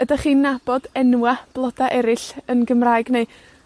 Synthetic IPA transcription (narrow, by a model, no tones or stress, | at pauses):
ədaχiːnːab̥ɔdɛnwab̥lˠɔd̥aʔɛɾɪɬənɡəmraːɨɡne